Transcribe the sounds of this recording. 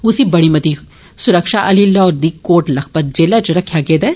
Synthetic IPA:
ʊsibɐɽ̃imɐt̪i | sʊɾəkʃaʔɐlilɔːɾd̪ikoːʈlɐxpət̪̚d͡ʒeːlat͡ʃoɾɐkʰjaɡeːd̪a

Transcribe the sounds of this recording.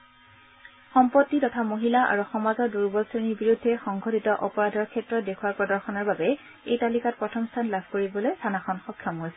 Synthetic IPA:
xɔmpɔtːitɔtʰamoɦilaʔa̰ɹuxɔmazɔɹduɹbɔsɹeniɹbiɹudʱːɛxɔŋɡʱɔtitɔʔɔpɔɹadʱɔɹkʰɛtɹɔdekʰuwaɹpɹɔdɔɹxɔnɔɹbabɛ | ejtalikat̚pɹɔtʰɔmstʰanlabʱkoɹibɔlojtʰanaxɔnxɔkʰːjɔmɦojsɛ

